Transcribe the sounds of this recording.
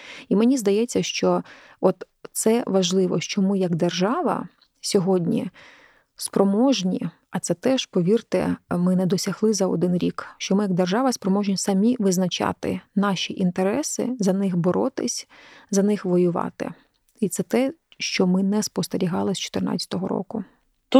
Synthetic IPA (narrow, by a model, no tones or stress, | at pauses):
imenʲizd̪ɐjɛt͡sʲːɐʃt͡ʃɔ | ɔt̪ | sɛʋɐʒlˠɪʋɔ̰ʃt͡ʃɔmɪjɐɡd̪erʒɑʋɐ̰ | sʲɔɦɔdʲnʲḭ | spɾɔmɔʒnʲi | ɐt̪sɛt̪ɛʃpɔʋʲirt̪ɪ̰mɪnɛd̪ɔsʲɐɦlˠɪzɐɔ̰d̪ɪnɾʲikʃt͡ʃɔmɪjɐɡ̚d̪erʒɑʋɐspɾɔmɔʒnʲisɐmʲiʋɪznɐt͡ʃɑ̰t̪ɪ̰nɑʃʲiʔint̪eɾɛsɪ̰zɐnɪxbɔɾɔt̪ɪsʲzɐnɪxʋɔjʊʋɑ̰t̪ɪ̰ | it̪sɛt̪ɛʃt͡ʃɔmɪnɛspɔst̪eɾʲiɦɑlˠɪsʲt͡ʃɔ̥t̪ɪrnɑ̰t͡sʲɐ̥t̪ɔɦɔɾɔ̰kʊ